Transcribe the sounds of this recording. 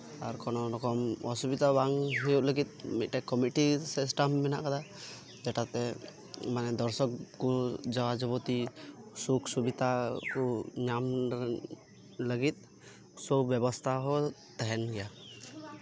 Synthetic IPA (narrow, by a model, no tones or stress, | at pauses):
aɾkɔnɔɾɔkɔmɔsubid̪abaŋɦɔjuʔləɡit̪̚mit̪̚ʈɛkɔmiʈisisʈamːɛna̰ʔkad̪a | d͡ʒɛʈat̪ɛ | manɛd̪ɔɾsɔkkud͡ʒɔwad͡ʒɔbɔt̪isuksubit̪akuɲam | ləɡit̪̚ˀ | sɔbjɔbɔst̪ʰaɦɔt̪ɛɦɛnɡɛja